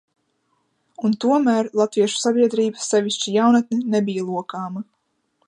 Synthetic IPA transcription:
unt̪uɔmæːɾlˠat̪viɛʃu̥sabiɛd̪ɾiːbə̥sːevʲiʃt͡ʃijawnat̪ninebʲijalˠuɔkaːmɐ

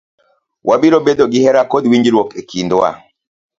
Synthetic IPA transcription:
wʔabilobedoɡihɛɾakodwiɲd͡ʒilwɔkekʰindɔa̰

